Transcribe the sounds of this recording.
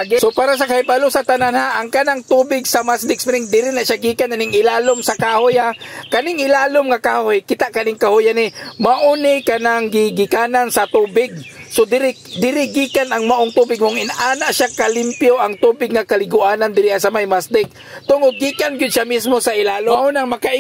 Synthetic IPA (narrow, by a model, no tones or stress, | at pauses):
ɡsopaːɾas̬ɐkahɪbalosɐt̪ananhaʔaŋkanaŋt̪uːbɪɡsɐmasd̪ɪk̚spɾɪŋd̪ɪɾɪnaʃaɡiːkananɪŋɪlaːlomsɐkaːhojhakɐnɪŋɪlaːlomŋakaːhojkɪt̪aʔkɐnɪŋkahʊjanɪmaʔonɪkanaŋɡɪɡɪkaːnansɐt̪uːbɪɡ̚sod̪ɪɾɪd̪ɪɾɪɡiːkanɐŋmaʔoŋt̪uːbɪɡ̚mʊŋɪnʔaːnaʔʃakalɪmpjoʔaŋt̪uːbɪɡ̚ŋakɐlɪɡʊʔaːnand̪ɪɾɪasɐmajmasd̪ɪk̚ | t̪ʊŋod̪̚ɡiːkanɡɪd̪̚ʃamɪsmosaʔɪlaːloʊnaŋmɐkaʔ